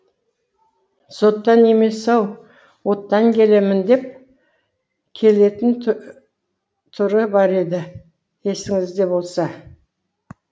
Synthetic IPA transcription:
so̞t̪ːɑne̞me̞sɑw | wo̞t̪ːɑŋkʲe̞le̞mɪnd̪e̞p̚ | kʲʰe̞le̞t̪ɪn | t̪ʰʊɾəbɑɾe̞d̪ɪ | e̞sɪŋɪzd̪e̞bo̞lˠsɑ

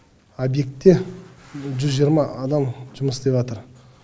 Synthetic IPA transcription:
obje̞k̚t̪ːe̞ | ʒʏzʒijəɾmɑːd̪ɑmʒʊməsd̪e̞pvɑt̪əɾ

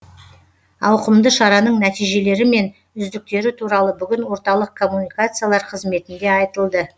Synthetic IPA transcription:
ɑwqəmd̪əʃɑɾɑnəɴnæt̪ijʒe̞le̞ɾɪme̞n | ʏzd̪ɪk̚t̪e̞ɾɪt̪ʰuɾɑlˠəbʏɡʲɪnwo̞ɾt̪ɑlˠəq̚kʰo̞mːunijkat̪sɨjalˠɑɾqʰəzme̞t̪ɪnd̪e̞ɑjt̪əlˠd̪ə

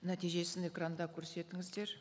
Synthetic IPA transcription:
næt̪ijʒe̞sɪne̞krand̪ɑkʲʰɵɾse̞t̪ɪŋɪzd̪e̞ɾ

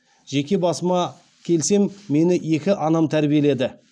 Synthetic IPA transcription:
ʒe̞kʲe̞bɑsəmɑ | kʲʰe̞lse̞mːe̞nɪje̞kʲɪʔɑnɑmt̪ʰæɾbije̞le̞d̪ɪ

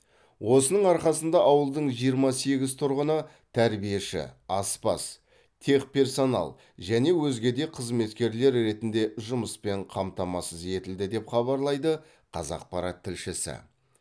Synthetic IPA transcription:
wo̞sənəɴɑɾqɑsənd̪ɑʔɑwəlˠd̪əɴʒijəɾmɑse̞ɡʲɪzt̪ʰʊɾʁənə | t̪ʰæɾbije̞ʃɪ̰ɑspɑ̰s | t̪ʰe̞kpʲʰe̞rso̞nɑ̰lˠ | ʒæne̞wɵzɡʲe̞d̪e̞qʰəzme̞t̪kʲe̞ɾle̞ɾɾe̞t̪ɪnd̪e̞ʒʊməspe̞ɴqʰɑmt̪ɑmɑsəze̞t̪ɪld̪ɪd̪e̞pχɑβɑɾlˠɑjd̪ə | qʰɑ̰zɑ̰q̚pɑɾɑt̪ʰːɪlʃɪsɪ̰

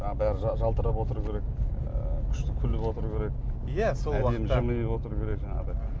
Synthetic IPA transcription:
ɑbæɾɪʒɑʒɑlˠt̪əɾəpwo̞t̪əɾukʲʰe̞ɾe̞k | kʲʰʏ̥ʃt̪ɪkʲʰʏlːɪpwo̞t̪əɾukʲʰe̞ɾe̞k | jæsolædwɑemːʒəməj̪epwo̞t̪əɾukʲʰe̞ɾe̞kʒɑɴɑ̰ʁd̪ɑ

